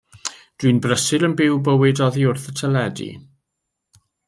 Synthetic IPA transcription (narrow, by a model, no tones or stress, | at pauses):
d̥winbrəsɨɾənbɪwbəwɨdɔðiʊrθətʰəlɛdḭ